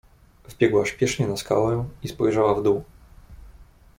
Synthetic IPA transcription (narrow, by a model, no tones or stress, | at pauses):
vbʲjɛɡwaɕpʲjɛʂɲɛnaska̰wɛispɔjʐawavd̪u